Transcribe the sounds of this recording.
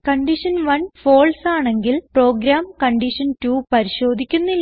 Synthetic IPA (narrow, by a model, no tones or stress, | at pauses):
kɐɳɖiʂɐnʋɐnfo̞ːɭsaːɳe̞ŋɡilpro̞ːɡɾaːmkɐɳɖiʂɐntuːpɐɾiɕo̞ːd̪ʱikʲːunːilː